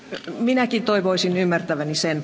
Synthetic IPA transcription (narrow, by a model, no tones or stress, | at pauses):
minækint̪oiʋoisinymːært̪æʋænisen